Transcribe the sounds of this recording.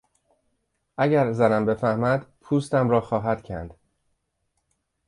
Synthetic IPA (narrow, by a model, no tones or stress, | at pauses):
ʔæɟæɾzænæmbe̞fæhmæd̪pʰuːst̪æmɾɒːxɒːɦæd̪̥cʰæ̰nd̪̥